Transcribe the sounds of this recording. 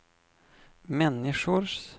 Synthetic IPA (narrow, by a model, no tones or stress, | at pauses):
mɛnːɪʂʊɾs